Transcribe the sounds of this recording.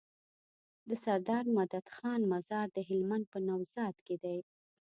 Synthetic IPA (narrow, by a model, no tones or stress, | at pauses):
d̪əsaɾd̪ɑɾmad̪ad̪xɑnmazɑɾd̪əɦɪlmand̪̚pənawzɑd̪ked̪aj